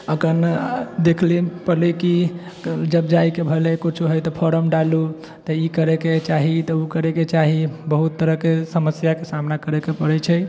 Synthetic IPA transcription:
əkənd̪ekʰlipəliki | d͡ʒəbd͡ʒajkebʱəlekot͡ʃʰuɦəjt̪ɔpʰoɾəmɖalu | t̪əikəɾeket͡ʃaɦit̪ɔukəɾeket͡ʃaɦibəɦut̪ːəɾəɦkesəməsjakesamnakəɾekepəɾɛt͡ʃʰɛ

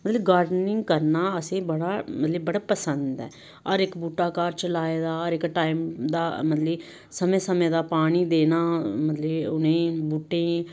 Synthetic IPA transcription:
mət̪ləbɡaːɾɖnɪŋɡkəɾnaːəsẽːbəɽaːmət̪ləbːəɽaːpəsənd̪ɛ̰ː | ɔɾɪkbuːʈːaːkaːɾt͡ʃəlaːeːd̪aːɔɾɪkʈaːimd̪aːmət̪l | səmẽːsəmẽːd̪aːpaːɽ̃iːd̪eːnaːmət̪ləʊnẽːbuːʈẽː

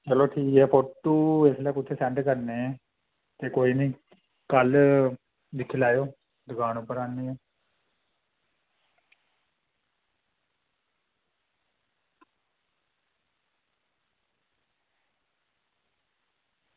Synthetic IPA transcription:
t͡ʃəloːʈʰiːkɦɛːpoʈʈːuːeslɛːkʊt̪ʰːeːsɛ̃ɳʈkəɾneːɛː | t̪eːkoːiːnĩː | kəl | d̪ɪkʰːɪlaːjoː | d̪ʊɡaːñũːpəɾaːniːɛː

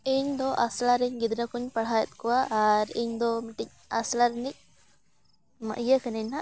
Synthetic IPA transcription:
iɲd̪ɔʔaslaɾɛɲɡid̪ɾakuɲpaɽ̤ajɛt̪̚ˀkɔwaʔːɾiɲd̪ɔmiʈic̚aslaɾɛnic̚ | ma̰ʔijəkənɛɲna

